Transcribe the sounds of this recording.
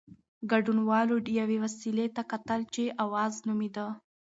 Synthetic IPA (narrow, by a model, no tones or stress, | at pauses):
ɡaɖunwɑloɖijawewasilet̪akat̪əlt͡ʃeʔawɑznumid̪ə